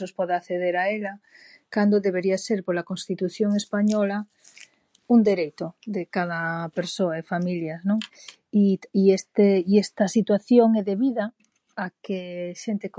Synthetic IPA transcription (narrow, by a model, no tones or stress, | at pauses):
ospoðaθeðeɾaela | kand̪oðeβ̞eɾiaseɾpoɾlakõnst̪it̪uθjoŋespaɲola | und̪eɾejt̪oðekað̞apeɾsoaefamiljaznõŋ | iiest̪eiest̪asit̪waθjoŋeðeβiða | akeʃent̪ek